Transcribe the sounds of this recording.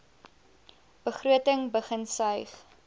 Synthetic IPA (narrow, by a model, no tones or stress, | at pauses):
b̥əχruətəŋbəχənsœɥχ